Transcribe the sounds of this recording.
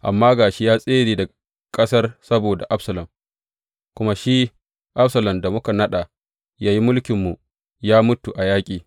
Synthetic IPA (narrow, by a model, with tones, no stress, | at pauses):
ʔa˨mːaː˦ɡaː˨ʃi˦jaː˦sʼeː˦ɽiː˦˨da˨ | kʼɐ˦sɐ˦rsɐ˦boː˨da˨ʔa˦bsɐ˨lɐ˨m | kʷʊ˦ma˦ʃi˦ | ʔa˦ɸsɐ˨lɐ˨mda˨mʊ˦ka˨nɐ˦ɗa˨ | jaː˦ji˦mʊ˦lkʲɪ˨mːu˨ | jaː˦mʊ˦tu˨ʔa˨jaː˦kʲʼiː˨